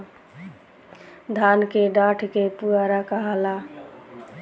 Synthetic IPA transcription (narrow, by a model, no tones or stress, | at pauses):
d̪ʱankeɖaʈʰkepuaɾakəɦəla